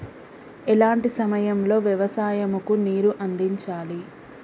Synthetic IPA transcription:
ɛlaːɳʈisɐmɐjɐmlo̞ːʋjɛʋɐsaːjɐmukuniːɾuʔɐnd̪iɲt͡ʃaːli

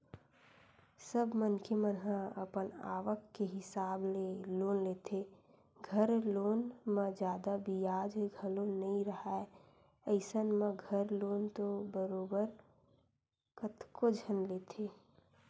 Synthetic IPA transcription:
səbʱmənkʰemənɦãə̰pəna̰ːʋəkːeɦɪsaːbleloːnleːt̪ʰe | ɡʱəɾloːnmẽd͡ʒjaːd̪abʱijaːd͡ʒɡʱəlonəĩɾəɦae | əɪsənmẽɡʱəɾloːnt̪obəɾoːbəɾ | kət̪kod͡ʒʱənleːt̪ʰe

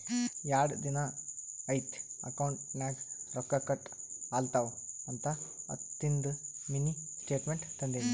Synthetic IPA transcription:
jaːɽd̪inaɐjt̪ɐ̰kɐwɳʈnaːɡɾɔkːakɐʈ | aːlt̪aːwɐnt̪aɐ̰t̪ːind̪minisʈeːʈmeɳʈt̪ːɐnd̪eni

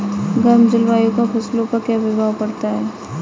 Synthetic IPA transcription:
ɡɐɾmd͡ʒɪlʋaːjõkafʰɐslõpɐɾkjabɪbʱaːʋpɐɾt̪aɦɛː

